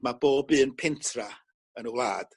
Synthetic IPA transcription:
mab̥oːbɨːənpʰɪntʰra | ənəwlˠa̰ːd̥

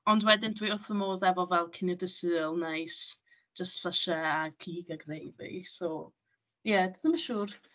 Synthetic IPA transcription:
ɔndwɛdɪndʰwiʊθəmoːðɛvɔvɛlˠkʰɪnjɔdəsɨlˠnajs | d͡ʒəstɬaʃaakʰiːɡaɡrejvḭsɔ | jɛdədəmaʃuːr

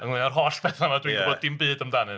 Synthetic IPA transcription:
əŋlˠeɔrɦɔspʰɛθamadwioːd̚dɪmbɨːdəmdanɨ

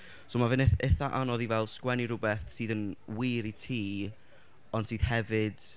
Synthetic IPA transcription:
soːmavɨneθaʔanɔðivɛlˠskwɛniɾʊbɛθsiːðənwiːɾitʰiː | ɔnd̥siːð̥hɛvɨd̥

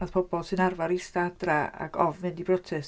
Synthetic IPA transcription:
aðpʰɔbɔlˠsɨnarvaɾistadraa̰ɡɔvmɨndibrɔtʰɛs

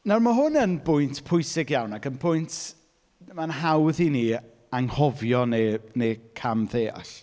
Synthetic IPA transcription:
narmaɦʊnənbʊjntʰpʰʊɨsɪɡjawnaɡənpʰʊjntʰ | manɦawðini | aŋhɔvjɔnenekʰamðeːa̰ɬ

